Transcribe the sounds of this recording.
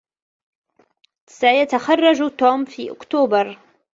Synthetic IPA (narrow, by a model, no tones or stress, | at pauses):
sajat̪axɑrˤːɑd͡ʒut̪oːmfḭːʔʊ̰kt̪oːbɑɾˤ